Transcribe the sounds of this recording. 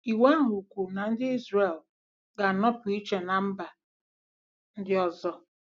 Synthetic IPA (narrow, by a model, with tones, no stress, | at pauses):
i˨wa˦ɦu˨kʷu˨na˨n̩˦dɪ˦i˦zɾe˨l | ɡa˨nɔ˦pʊ˨i˦t͡ʃe˨na˨m̩˦ba˨ | n̩˦dɪ˦ɔ˨zɔ˨